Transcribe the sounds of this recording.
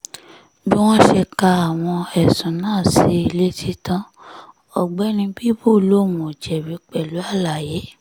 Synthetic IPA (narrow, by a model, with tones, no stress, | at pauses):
bi˦w̃ɔ̃˦ʃe˧ka˧a˨w̃ɔ̃˧ɛ˨sũ˨˦nãː˦˨si˧˦i˧le˦tʰi˦tã˦ | ɔ˨ɡ͡bɛ˦nĩ˧bi˦bo˦˨lo˦˨mũ˨d͡ʒɛ˨wi˨˦k͡pɛ˦˨lu˨˦a˦˨la˨je˨˦